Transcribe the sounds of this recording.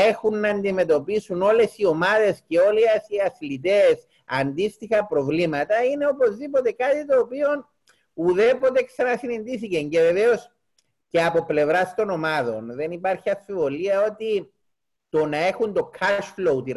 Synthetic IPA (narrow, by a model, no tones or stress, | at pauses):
e̞xunːɐːnd̪ime̞t̪o̞pisuno̞le̞sio̞mɐðe̞sceo̞liɐsiɐslit̪e̞s | ɐnd̪ist̪ixɐpɾo̞vlimɐt̪ɐine̞o̞po̞zðipo̞t̪e̞kat̪it̪o̞ːpio̞n | uðe̞po̞t̪eksɐnɐsinend̪iθiceɲɟe̞ve̞ve̞o̞s | ce̞ɐpo̞ple̞vɾɐst̪o̞no̞mɐðo̞nðe̞nipɐɾçiɐfivo̞liɐo̞t̪i | t̪o̞nɐe̞xund̪o̞kʰaʃflout̪i